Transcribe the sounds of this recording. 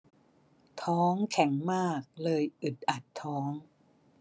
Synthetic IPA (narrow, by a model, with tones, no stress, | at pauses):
t̪ʰɔː˦˥ŋkʰɛ˩˦ŋmaː˥˩k̚lɤː˧jʔɯ˨˩t̪̚ʔa˨˩t̪ʰːɔː˦˥ŋ